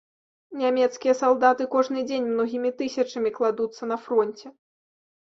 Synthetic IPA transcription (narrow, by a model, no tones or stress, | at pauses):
nʲamʲɛt̪skʲijɐsalˠd̪at̪ɨkɔʐnɨd͡zʲenʲmnɔɣʲimʲit̪ɨsʲɐt͡ʂɐmʲiklˠad̪ut̪sːɐnɐfɾɔnʲt͡sʲɛ